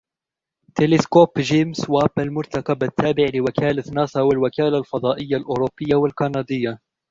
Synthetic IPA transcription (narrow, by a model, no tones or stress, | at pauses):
t̪elɪskoːpʒeːmswaːbalmʊɾt̪akabat̪ːaːbɪʕlɪwakaːlanɑːsˤɑwalwakaːlalfɑd̪ˤɑːʔɪjːalʔʊːɾʊbːɪjːawalkɑnɑːd̪ɪjːa